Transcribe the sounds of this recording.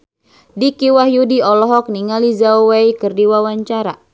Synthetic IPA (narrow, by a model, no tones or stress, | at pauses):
dikiwahjudiɔlɔɦɔk̚niŋalizauwejkərdiwawaɲt͡ʃaɾa